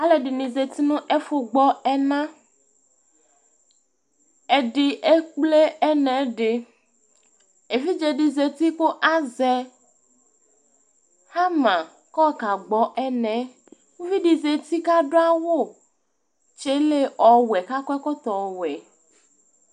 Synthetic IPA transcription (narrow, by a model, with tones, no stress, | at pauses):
a˦le˨ɖi˨nĩ˨ze˨t̪i˦nũ˦ʔe˦fo˨ɡ͡bɔ˦ɛ˦nã˦ | e˨ɖi˨ʔe˦k͡ple˦ɛ˦nɛ̃˨˦ɖe˨ | e˨vi˦d͡ʒe˨ɖi˨ze˨t̪i˦ko˦ʔa˦zɛ˨ | ha˦mã˨ | kɔ˦ka˨ɡ͡bɔ˦ʔɛ˦nɛ̃˨˦ | wũ˦vi˦ɖi˨ze˨t̪i˦ka˦ɖo˦a˦wo˦˨ | t͡ʃe˦le˦ʔɔ˨wɛ˨ka˦kɔ˦ɛ˦kɔ˦t̪ɔ˨wɛ˨